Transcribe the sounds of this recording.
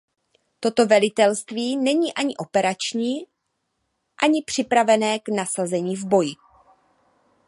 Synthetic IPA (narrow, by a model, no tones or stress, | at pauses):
t̪o̞t̪o̞vɛlɪt̪ɛlst̪viːnɛɲiːʔaɲɪʔo̞pɛɾat͡ʃɲiː | ʔaɲɪpr̝̥ɪpɾavɛnɛːɡnasazɛɲiːvbo̞jɪ